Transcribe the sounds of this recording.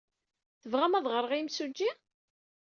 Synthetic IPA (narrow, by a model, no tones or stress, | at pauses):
θəvʁæmæðˤʁəɾˤəʁimsud͡ʒːi